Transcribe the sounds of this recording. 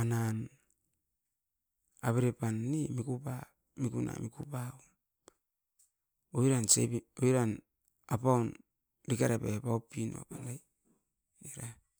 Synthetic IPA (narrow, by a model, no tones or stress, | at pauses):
anan | aβeɾepanːimikupa | mikuna̰mikupaom | oiɾansḛβioiɾan | apawn | ɾikaɾepepaopino̰apanaj | eɾa